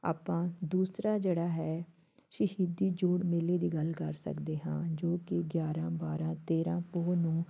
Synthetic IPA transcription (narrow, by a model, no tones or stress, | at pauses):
a̰ːpãːd̪uːsɾaːd͡ʒeːɽaːɦɛː | ʃɪʃiːd̪iːd͡ʒoːɽmɪleːd̪iːɡəlkə̰ɾsə̰kd̪eːɦã̰ːd͡ʒoːkɪɡjaːɾãːbaːɾãːt̪eːɾãːpoːnũː